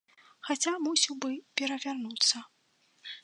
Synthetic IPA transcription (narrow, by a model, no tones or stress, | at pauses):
xat͡sʲamusʲiwbɨpʲɛɾɐvʲarnut̪sːɐ